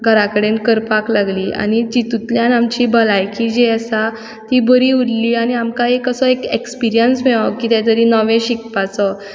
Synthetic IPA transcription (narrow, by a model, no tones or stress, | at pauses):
ɡʱəɾakəɽenkəɾpaklaɡliːa̰ñid͡ʑit̪ut̪ljanamt͡ɕibəlajkid͡ʑeəsa | t̪ibəɾiːuɽliːañiamkaekəsɔekekspiɾijənsmɛɭakiːt̪ɛ̃t̪̬əɾiːnəʋẽɕik̚pat͡sɔ